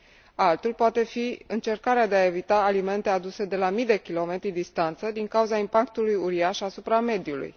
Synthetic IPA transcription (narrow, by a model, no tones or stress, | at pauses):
alt̪ulpoat̪e̞fiɨnt͡ʃe̞rkaɾead̪e̞ae̞vit̪aːlime̞nt̪e̞ad̪use̞d̪e̞lamid̪e̞kʲilo̞me̞t̪ɾid̪ist̪ant̪səd̪iŋkauzaimpakt̪ulujuɾiaʃasupɾame̞d̪julṵj